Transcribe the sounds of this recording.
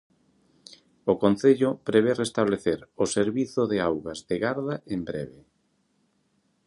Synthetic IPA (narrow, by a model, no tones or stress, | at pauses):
okon̟θeʎʊpɾeβ̞erest̪aβleθeɾoseɾβiθʊðeawɣazðeɣaɾðaembɾḛβe